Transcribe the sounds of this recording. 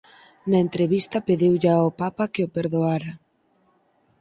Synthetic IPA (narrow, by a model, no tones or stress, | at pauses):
naent̪ɾeβist̪ɐpeðiwʎaopapakeopeɾðoaɾa